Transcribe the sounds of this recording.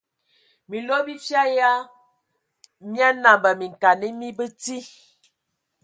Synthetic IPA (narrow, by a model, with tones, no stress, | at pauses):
mi˨lo˦bi˦fja˦ja˦ | mja˦na˨mbə˨mi˨ŋ˨ka˨ni˦mi˦bə˦ti˦